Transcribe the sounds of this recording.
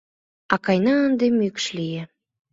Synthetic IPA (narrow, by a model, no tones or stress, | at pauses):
ɑkɑjnɑənd̪emykʃlije